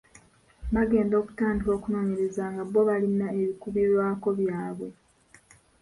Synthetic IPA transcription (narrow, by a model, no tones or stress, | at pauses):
maɡe̞ːndo̞ːku̥taːndiɾo̞ːkuno̞ːɲeɾezaːŋɡaβːo̞βalinaeβikuβiɾwaːko̞βjaːβwe̞